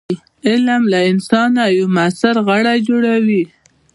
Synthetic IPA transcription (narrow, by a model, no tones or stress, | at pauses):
ɪlmlaɪnsɑnajamasaɾɣaɽajd͡ʒoɽawi